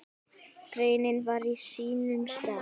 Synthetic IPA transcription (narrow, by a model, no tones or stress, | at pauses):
kɾeːjnɪnvaɾisiːnʏmst̪a